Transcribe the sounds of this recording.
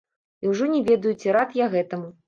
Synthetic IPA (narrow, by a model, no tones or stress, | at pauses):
iwʐɔnʲɛvʲɛd̪ɐjut͡sʲiɾat̪jaɣɛt̪ɐmu